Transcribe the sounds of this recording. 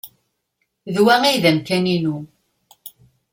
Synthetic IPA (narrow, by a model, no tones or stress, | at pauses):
ðwæŋiðæmkæninu